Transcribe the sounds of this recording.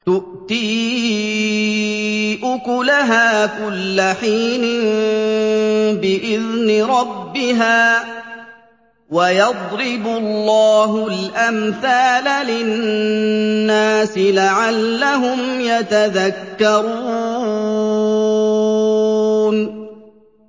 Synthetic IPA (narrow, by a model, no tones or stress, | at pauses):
t̪ʊʔt̪iː | ʔʊkʊlaɦaːkʊlːaħiːnɪn | bɪʔɪðnɪɾˤɑbːɪɦaː | wajɑd̪ˤɾɪbʊlːɑːɦʊlʔamθaːlalɪ | nːaːsɪlaʕalːaɦʊmjat̪aðakːɑɾuː | n